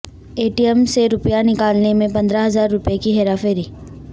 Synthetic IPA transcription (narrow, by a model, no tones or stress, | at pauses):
eːʈijɛmseɾʊpjanɪkaːlnemẽpɐ̃nd̪ɾaɦɐzaːɾːʊpjekiɦɛɾaːfeːɾiː